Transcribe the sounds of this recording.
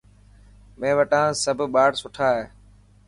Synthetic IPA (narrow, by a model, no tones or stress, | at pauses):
mẽːʋəʈãːsəbʱɓaːɽsʊʈʰaːɦeː